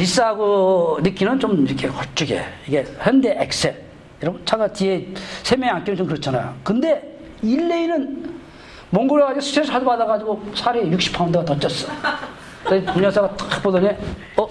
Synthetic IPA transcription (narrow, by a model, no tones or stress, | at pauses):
ɾis͈aaɡonɯk͈inɯnt͡ɕomiɾʌkʰe̞kʌɭt͡ɕ͈uɡe̞̰iɡe̞çjʌnde̞ʔek̚s͈e | iɾʌt͡ɕʰaɡatiesʰemjʌŋank͈enɯnt͡ɕomkɯɾʌt͡ɕʰanajo̰kɯnde̞ | ilːeinɯn | mʌŋɡɯɾoɣad͡ʑiɡosʰu̥sʰeɾɯsʰaɭbadaɣad͡ʑiɡosʰaɾejuk̚ɕ͈i̥pʰaundɯɡatʌt͡ɕ͈ʌs͈ʌ | ʌipoŋɲʌsʰaɡat͈ḁk̚p͈odʌne | ʌ